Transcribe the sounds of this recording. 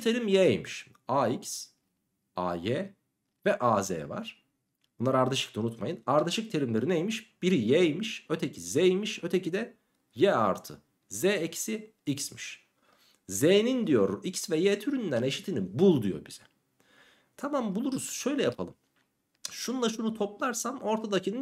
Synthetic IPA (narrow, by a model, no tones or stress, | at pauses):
t̪ʰeɾimjɛ̰jmiʃ | aːics | a̰ːjɛ | vɛʔaːzɛ̰ːva̰ɾ̥ | bunlˠaɾaɾd̪aʃɯklˠaunut̪majɯnaɾd̪aʃɯk̚t̪ʰe̞ɾimlʲeɾinejmiʃb̥iɾijɛjmiʃøt̪ʰecʰizɛjmiʃøt̪ʰecid̪ɛ | jɛa̰ɾt̪ʰɯ̰ | zɛecʰi̥si | icsmiʃ | zeːnind̪ijo̞ɾicsvɛjɛːt̪ʰyɾynd̪æne̞ʃit̪ʰinibulˠd̪ujo̞̰biz̥ɛ | t̪ʰamambulˠuɾuz̥ʃø̞jlʲɛjapʰalˠɯm | ʃunnˠaʃunut̪ʰo̞plˠaɾsamo̞ɾt̪ʰad̪acʰinɯ